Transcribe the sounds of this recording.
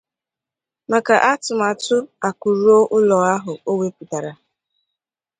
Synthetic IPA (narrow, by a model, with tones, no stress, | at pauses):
ma˨ka˨ʔa˦tʊ˨ma˨tʊ˦a˨ku˨ɾu˦o˦ʔʊ˦lɔ˨a˦ɦʊ˨o˦we˦pu˨ta˨ɾa˨